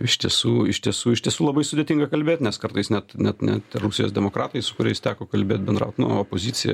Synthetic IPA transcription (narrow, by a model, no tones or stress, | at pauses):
ɪʃt̪ʲiɛsuːɪʃt̪ʲiɛsuːɪʃt̪ʲiɛsuːlˠɐbɐɪsʊd̪ʲeːt̪ʲɪŋɡɐkɐlʲbʲeːt̪ʲnʲɛskɐrt̪ɐɪsnʲɛt̪nʲɛt̪nʲɛ̰t̪rʊsʲɪjo̰ːsd̪ʲɛmoːkɾɑːt̪ɐɪsʊkʊɾʲɛɪst̪ʲæːkoːkɐlʲbʲeːt̪̚ʲbʲɛnd̪ɾɐ̰ʊt̪nʊ̰oːpoːzʲiːt͡ssʲɪjɛ̰